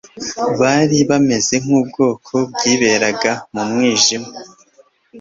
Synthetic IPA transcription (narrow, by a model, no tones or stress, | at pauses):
βaːɾiβame̞ze̞ŋ̥uːb̚ɡo̞ːkʰo̞b̚ɡiːβe̞ɾaɡamumŋiːʒima